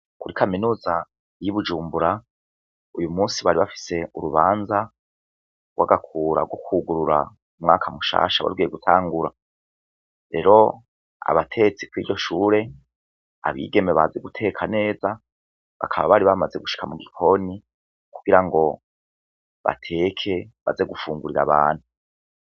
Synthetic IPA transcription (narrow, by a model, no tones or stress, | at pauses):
kuɾikʰaminuːza | jiβud͡ʒuːmbuɾa | ujumuːsiβaɾiβafi̥se̞uɾuβaːnza | waɡakʰuːɾa̰ɡwo̞kuɡuɾuɾa̰ | umŋa̰ːkʰamuʃa̰ːʃaβa̰ɾuɡijeɡutʰaːŋɡuɾa | ɾe̞̰ɾo̞ | a̰βatʰe̞t͡sikwiːɟo̞ʃuːɾe̞ | a̰βḭːɡe̞meβaze̞ɡutʰe̞kʰane̞ːza | βa̰kʰaβaβaɾiβamaze̞ɡuʃi̥kʰamuɡikʰo̞ni | kuɡ̥iɾaŋɡo̞ | βa̰tʰe̞kʰe̞βa̰ze̞ɡufuːŋɡuɾiɾa̰βa̰ːn̥hu